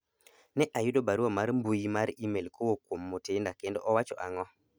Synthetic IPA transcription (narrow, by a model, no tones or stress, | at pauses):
nɛʔajʊdobaɾwɔmaɾmbujimaɾimelkʰowokwomːotendakendɔ̰ʔɔwat͡ʃɔ̰ʔaŋɔ